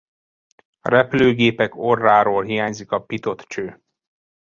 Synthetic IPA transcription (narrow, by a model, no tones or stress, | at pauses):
ɒ̰ɾɛpløːɡeːpɛko̞rːaːɾoːlɦijaːɲzikɒpit̪o̞t̪t͡ʃøː